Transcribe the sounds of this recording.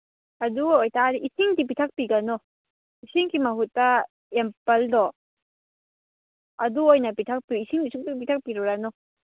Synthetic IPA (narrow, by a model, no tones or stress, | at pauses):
ɐduojtaɾiʔisiŋdip̬itʰak̚piɡanɔ | isiŋkimɐɦutːɐ | empɐldɔ | ɐduojnɐpitʰak̚piisiŋdisuk̚tip̬itʰak̚piɾuɾanɔ